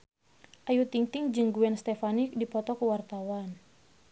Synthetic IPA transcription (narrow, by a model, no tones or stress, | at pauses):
ʔajut̪iŋt̪ɪŋd͡ʒɨŋɡuɛnst̪ɛfanik̚dipɔt̪ɔkuwart̪awan